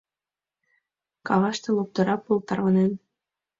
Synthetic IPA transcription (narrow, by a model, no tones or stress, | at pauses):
kɑβɑʃt̪ɤ̆lˠop̚t̪ɤ̆ɾɑpulˠt̪ɑrβɑnen